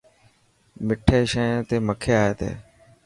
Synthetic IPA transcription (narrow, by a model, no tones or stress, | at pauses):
mɪʈʰeːʃẽːt̪eːməkʰeːaːeːt̪ḛː